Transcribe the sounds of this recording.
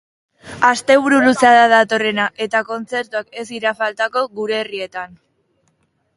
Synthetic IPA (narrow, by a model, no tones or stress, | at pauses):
ast̪e̞β̞uɾuluseaðaðat̪o̞re̞naʔe̞t̪ako̞nt͡se̞ɾt̪uake̞siɾafalt̪ako̞ɣuɾe̞ːrie̞t̪an